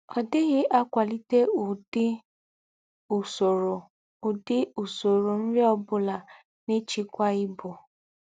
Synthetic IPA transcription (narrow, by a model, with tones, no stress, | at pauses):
ɔ˨dɪ˦ɣɪ˦ʔa˦kʷa˨li˦te˦u˨dɪ˦ | u˨so˨ɾo˨ | u˨dɪ˦u˨so˨ɾo˨n̩˦ɾe˦ɔ˦bʊ˦la˨ | nɪ˦t͡ʃi˦kʷa˦ɪ˦bʊ˨